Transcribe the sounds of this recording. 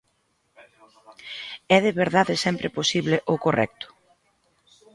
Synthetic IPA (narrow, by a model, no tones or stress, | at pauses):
ɛðeβeɾðaðɪsɛmpɾʔeposiβleʔokorɛ̰k̚t̪ʊ̥